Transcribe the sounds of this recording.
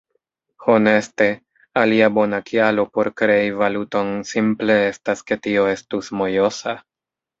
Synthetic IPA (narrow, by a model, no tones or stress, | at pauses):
ho̞ne̞ste̞ | aliabo̞nakʰialo̞po̞ɾkɾe̞ivaluto̞nsimple̞e̞staske̞tio̞e̞stusmo̞jo̞sa